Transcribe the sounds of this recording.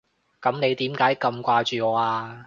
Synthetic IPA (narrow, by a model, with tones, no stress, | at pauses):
kɐ˨˥mne˨˧jt̪iː˨˥mkaː˨˥jkɐ˧mkʷaː˧t͡ʃyː˨ŋɔː˨˧˦aː˧